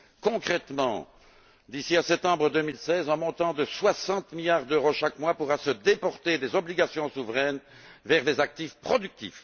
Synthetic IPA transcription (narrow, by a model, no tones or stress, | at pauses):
kɔ̃kχɛt̪mɑ̰̃ | d̪isiasɛp̚t̪ɑ̃bʁəd̪ømilsɛzɛ̃mɔ̃t̪ɑ̃d̪əswasɑ̃t̪miljaʁd̪øʁoʃakmwapuʁasəd̪epɔʁt̪ed̪ezɔbliɡasjɔ̃suvʁɛn | vɛʁlezak̚t̪ifpχɔd̪yk̚t̪ḭf